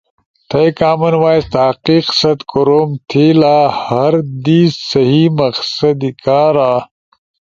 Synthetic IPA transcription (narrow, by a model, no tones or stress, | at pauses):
t̪ʰɐjkaːmɐnwaːjst̪aːqiːqsɐt̪koɾoːmt̪ʰiːlaːhɐɾd̪iːssɐɦiːmɐqsɐd̪ikaːɾaː